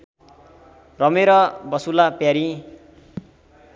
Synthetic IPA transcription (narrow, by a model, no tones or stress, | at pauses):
rʌmeɾʌbʌsulapjaɾi